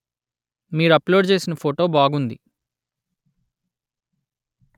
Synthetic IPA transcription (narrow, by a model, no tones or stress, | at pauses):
miːɾuɐplo̞ːɖt͡ʃe̞ːsinɐpʰoːʈo̞ːbaːɡund̪ḭ